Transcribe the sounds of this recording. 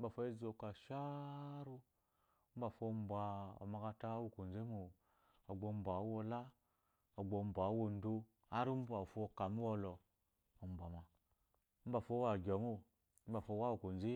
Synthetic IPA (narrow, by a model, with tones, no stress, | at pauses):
ba˨fo˦e˦zo˧˨ka˨ʃa˦ɾu˦ | m̩˦ba˨fo˧m˦bʷa˨o̰˨ma˧ka˧ta˦wu˦˨ko˨n˨ze˦mu˨ | o˨ɡ͡bo˧m̩˦bʷa˨˦wo˧la˦ | o˨ɡ͡bo˧m̩˨bʷa˨˦wo˧n̩˦do˦ | a˦ɾi˦m̩˦ba˨fo˦˧ka˨mu˦wo˧lɔ˨ | o˨m̩˨bʷa˨ma˨ | m̩˦ba˨fo˦wa˨ɡʲɔ˨mu˦ | m̩˦ba˨fo˧˦wa˦wu˨ko˨nzi˦